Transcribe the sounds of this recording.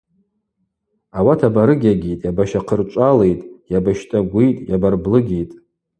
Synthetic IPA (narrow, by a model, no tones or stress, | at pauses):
awatʰabaɾɨɡʲaɡʲijtʼjabaʃaqʰərt͡ʃʷʼale̞jtʼjabaʃtʼaɡʷijtʼjabarblɨɡʲejtʼ